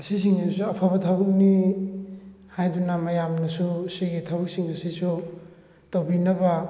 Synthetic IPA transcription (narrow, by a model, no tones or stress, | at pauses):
ɐsis̬iŋisuɐpʰaβɐtʰabuk̚ni | hajdunamɐjamnɐsusiɡitʰabɐk̚siŋɐsisu | towbinɐba